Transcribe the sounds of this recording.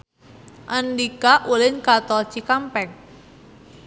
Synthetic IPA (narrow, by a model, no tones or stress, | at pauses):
ʔandikaʔulɪnkat̪ɔlt͡ʃikampɛŋ